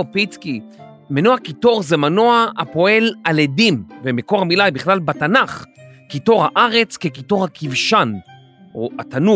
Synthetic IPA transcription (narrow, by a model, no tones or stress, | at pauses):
pit͡ski | menoakito̞ʁzemanoaapo̞e̞laledimvemeko̞ʁamilajbiχlalbatanaχkito̞ʁhaʔaʁe̞t͡skekito̞ʁhakivʃan | oatanu